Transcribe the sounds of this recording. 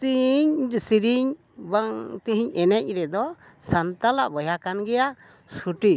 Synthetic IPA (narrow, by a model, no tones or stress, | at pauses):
t̪iɲdsiɾiɲ | baŋt̪iɦiɲɛnɛc̚ˀɾɛd̪ɔ | sant̪alaʔbəjakanɡɛjaʔ | suʈi